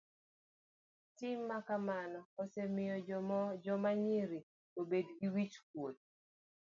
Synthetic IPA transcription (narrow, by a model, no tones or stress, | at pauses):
tɪmːakamanɔːsɛmɪjɔd͡ʒɔmaɲiɾi | obedɡiwit͡ʃkwot̪̚